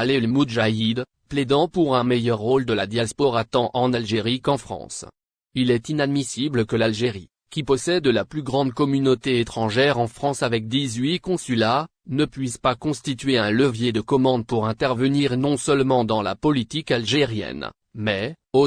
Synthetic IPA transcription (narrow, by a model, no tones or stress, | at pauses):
alelmud̪ʒaid̪ | pled̪ɑ̃puʁɛ̃mɛjœʁːold̪əlad̪jaspɔʁat̪ɑ̃ʔɑ̃nalʒeʁikɑ̃fχɑ̰̃s | ilɛt̪inad̪misibləkəlalʒeʁi | kʲipɔsɛd̪laplyɡʁɑ̃d̪kɔmynot̪eet̪χɑ̃ʒɛʁɑ̃fχɑ̃savɛk̚d̪izɥikɔ̃sylanəpɥispakɔ̃st̪it̪ɥeɛ̃ləvjed̪əkɔmɑ̃d̪̚puʁɛ̃t̪ɛʁvəniʁnɔ̃səlmɑ̃d̪ɑ̃la̰pɔlit̪ikalʒeʁjɛ̰n | mɛo